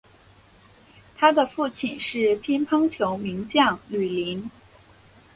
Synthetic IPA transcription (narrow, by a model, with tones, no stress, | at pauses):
t̪ʰa˥d̪ə˨fu˥˩t͡ɕʰi˨˩nʂɻ̩˥˩pʰi˥npʰɑ˥ŋt͡ɕʰjo˧˥ʊmi˧˥ŋt͡ɕjɑ˥˩ŋly˨˩li˧˥n